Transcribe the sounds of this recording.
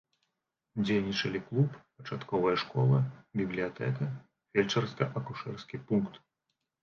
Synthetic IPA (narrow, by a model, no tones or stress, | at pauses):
d͡zʲejnʲit͡ʂɐlʲiklˠuppɐt͡ʂat̪kɔvɐjɐʂkɔlˠɐbʲiblʲijat̪ɛkɐ | fʲelʲt͡ʂɐrskɐʔɐkuʂɛrskʲipunkt̪